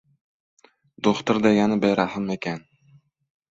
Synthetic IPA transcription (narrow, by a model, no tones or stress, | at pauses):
d̪oχt̪ʊɾd̪ajanabejɾahɪmekʲan